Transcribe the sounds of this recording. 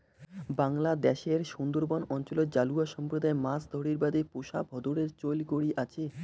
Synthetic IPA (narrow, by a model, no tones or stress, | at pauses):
baŋlad̪ɛʃeɾʃund̪oɾbɔnɔnt͡ɕolod͡ʑaluaʃɔmpɾod̪aemasd̪ʱoɽiɾbad̪epoʃa̰bʱɔd̪oɽeɾt͡ɕolɡoɽiʔat͡ɕʰe